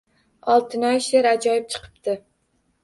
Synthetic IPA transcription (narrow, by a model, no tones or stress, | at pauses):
ɒlˠt̪ʰɪnɒjʃeɾad͡ʒɒjɪp̚t͡ʃʰɨ̥qʰɨ̥p̚t̪ʰɪ